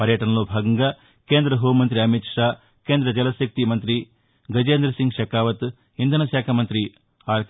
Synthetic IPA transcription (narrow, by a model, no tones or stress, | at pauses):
pɐɾjɐʈɐnɐluːbʱaːɡɐŋɡɐ | keːnd̪ɾɐɦuːmɐnt̪ɾiɐmit̪ʂaː | keːnd̪ɾɐd͡ʒɐlɐsɐk̚t̪imɐnt̪ɾi | ɡɐd͡ʒeːnd̪ɾɐsiŋɡʃɐkaːʋɐt̪ | ind̪ʱɐnɐʃaːkʰɐmɐnt̪ɾi | aːɾ